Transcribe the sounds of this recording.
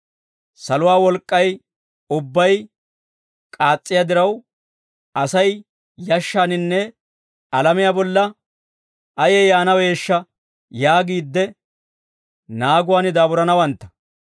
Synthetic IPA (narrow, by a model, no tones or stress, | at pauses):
sɐlʊwaːwɔlkʼːɐj | ʊbːɐj | kʼaːt͡sʼːɪjad̪ɪɾɐw | ɐsɐj | jɐʃːaːnɪnːɛ | ɐlɐmɪjaːbɔlːɐ | ɐjɛjaːnɐwe̞ːʃːɐ | jaːɡiːd̪ːɛ | naːɡʊwaːnɪd̪aːbʊɾɐnɐwɐnt̪ːɐ̥